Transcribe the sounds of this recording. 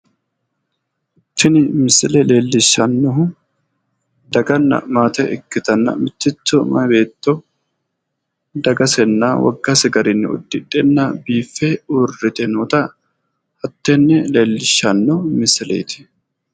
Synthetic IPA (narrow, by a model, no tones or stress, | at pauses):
ɪt̪ːɪnɪmɪslɛle̞ːlːɪʃːɐnːɔɦʊ | d̪ɐɡɐnːɐ̰maːt̪ɛʔɪkːɪt̪ɐnːɐ̰mɪt̪ːɪt͡sːɔmɐbe̞ːt̪ːɔ | d̪ɐɡɐsɛnːaːwɐ̰ɡːɐsɪɡɐɾɪnːɪʊ̰d̪ːɪᶑɛnːabiːfːɛʊrːɪt̪ɛnɔːt̪ɐ | ɐt̪ːɛnːɛle̞ːlːɪʃːɐnːɔmɪsɪlḛːt̪ɪ̥